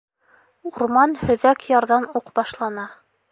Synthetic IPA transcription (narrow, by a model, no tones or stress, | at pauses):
uɾmɑnhɵ̆ðækjɑɾðɑnuqbɑʃlˠɑnɑ